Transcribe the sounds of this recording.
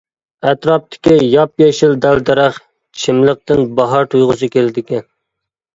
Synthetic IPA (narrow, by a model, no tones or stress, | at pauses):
æt̪ɾɑp̚t̪ʰɪ̥kʲijɑpjɛʃɪld̪æld̪æɾæχ | t͡ʃʰɪmlˠəq̚t̪ɪnbɑɦɑɾt̪ʰujʁʊsɨkʲʰelɪd̪ɪkʲɛn